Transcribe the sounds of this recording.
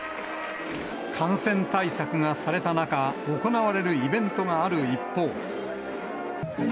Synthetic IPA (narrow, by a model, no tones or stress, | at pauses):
kʰãɰ̃sẽ̞nt̪aisakɯ̟ŋasaɾe̞t̪anakao̞ko̞naβaɾe̞ɾɯ̟ibẽ̞nt̪o̞ŋaːɾɯ̟ipːo̞ː